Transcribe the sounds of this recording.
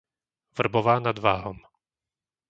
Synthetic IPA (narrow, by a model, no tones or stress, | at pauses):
vr̩bɔʋaːnad̪ʋaːɦɔm